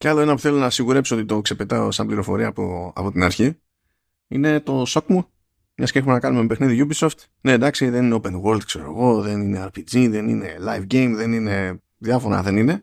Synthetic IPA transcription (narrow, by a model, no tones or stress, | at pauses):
cealo̞e̞nɐpuθe̞lonɐsiɣuɾe̞psot̪it̪o̞kse̞pe̞t̪ɐo̞sɐmbliɾo̞fo̞ɾiɐːpoɐ̰po̞t̪inɐɾçi | ḭne̞t̪o̞so̞kmu | mɲɐsce̞xumenɐkɐnumempe̞xniðiʝubiso̞ft̪ | ne̞d̪ɐksiðenineope̞nɣo̞ld̪kse̞ɾo̞eɣo̞ðe̞nine̞ɐɾpid͡ziðe̞nḭne̞lajfɟejmðe̞nine̞ | ðjɐfo̞ɾɐ̰ðe̞nine̞